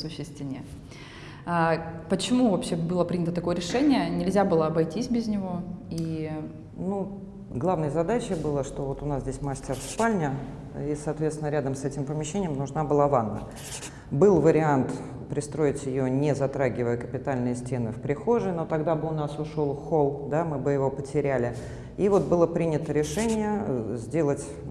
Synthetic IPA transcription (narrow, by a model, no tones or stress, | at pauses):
sʊɕːɪsʲt̪ʲɪnʲe | apət͡ɕɪmuvɐpɕːe̞bɨlˠəpɾʲinʲət̪ət̪ɐko̞jəɾʲɪʂɛnʲɪjənʲɪlʲzʲabɨlˠəɐbɐjtʲisʲbʲɪzʲnʲɪvo̞i | nu | ɡlˠavnəjəzɐd̪at͡ɕɪbɨlˠəʂt̪o̞vo̞t̪ʊnaszʲdʲesʲmasʲtʲɪrspalʲnʲə | isɐːt̪vʲet̪sʲɪnəɾʲad̪əmsɛtʲɪmpəmʲɪɕːenʲɪjmnʊʐnabɨlˠavanːə̰ | bɨlˠvəɾʲɪant̪ | pɾʲɪst̪ɾo̞ɪtʲjɪjonʲɪzɐt̪ɾaɡʲɪvəjəkəpʲɪt̪alʲnɨjəsʲtʲe̞nɨfpɾʲɪxoʐɨno̞t̪ɐɡd̪abɨʊnasʊʂo̞lˠxo̞lˠd̪amɨbɨjɪvo̞pətʲɪɾʲælʲɪ | ivo̞t̪̚bɨlˠəpɾʲinʲɪt̪əɾʲɪʂɛnʲɪjəzʲdʲe̞lˠətʲ